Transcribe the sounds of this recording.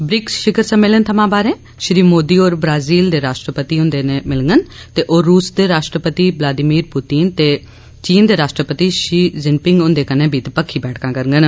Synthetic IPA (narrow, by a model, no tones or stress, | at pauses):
bɾɪksʃɪkəɾsə̃meːlənt̪ʰəmãːbaːɾẽː | ʃɾiːmoːd̪iːoːɾbɾaːziːld̪eːɾaːʃʈɾəpət̪iːʊ̃nd̪eːnemɪlŋɡənt̪eːʔoːɾːuːsd̪eːɾaːʃʈɾəpət̪iːblaːd̪iːmiːɾput̪iːnt̪eː | t͡ʃiːnd̪eːɾaːʃʈɾəpət̪iːʃiːzɪnpɪŋɡʊ̃nd̪eːkənẽːbʱiːt̪epəkʰːiːbɛːʈʰkãːkəɾəŋɡən